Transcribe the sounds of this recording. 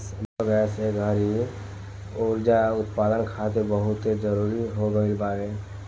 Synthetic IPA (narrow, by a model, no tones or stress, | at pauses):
sbəɡəseɡʱəɾi | oːɾd͡ʒaʊt̪paːd̪ənkʰat̪ebəɦʊt̪ed͡ʒəɾuɾiɦoɡəilbaːɡe